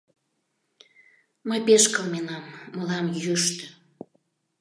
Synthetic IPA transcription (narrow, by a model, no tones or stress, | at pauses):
məjpeʃkəlmenɑmːəlɑmjyʃt̪ə̆